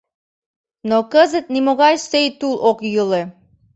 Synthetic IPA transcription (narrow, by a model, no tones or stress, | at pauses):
nokəzə̆t̪̚nimoɣɑjsejt̪ulˠokjɯlˠe